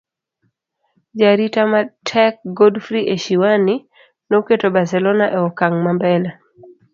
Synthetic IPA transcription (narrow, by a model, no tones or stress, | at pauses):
d͡ʒaɾitamatʰɛk̚ɡɔdfɾiʔeʃiwani | noketobaɾsɛlɔnaʔɛɔkaŋmambɛla